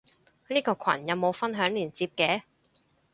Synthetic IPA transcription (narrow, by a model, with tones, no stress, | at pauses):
niː˥kɔː˧kʷʰwɐ̰˨˩njɐ˨˧wmo˨˧wfɐ˥nɦœː˨˥ŋliː˨˩nt͡siː˧p̚kɛː˨˥